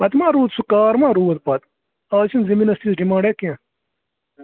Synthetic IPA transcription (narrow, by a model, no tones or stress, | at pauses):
pɐt̪mãːɾuːt̪sukaːɾmãːɾuːɐt̪̚pɐt̪ | aːt͡ɕʰinziminɐst̪isɖimãːɳɖekiẽ